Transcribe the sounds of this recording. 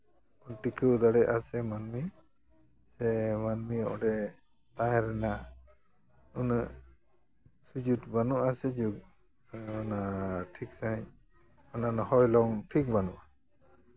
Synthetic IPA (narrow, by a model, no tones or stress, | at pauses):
pəʈikɯwd̪aɽɛʔasɛmanmi | sɛmanmiɔ̰ɖɛ | t̪aɦɛɾɛna | unəʔ | sud͡ʒut̪banuʔasɛd͡ʒuk̚ | ɔnaʈʰiksaj̃ | ɔnanɔhɔjlɔŋʈʰik̚banuʔa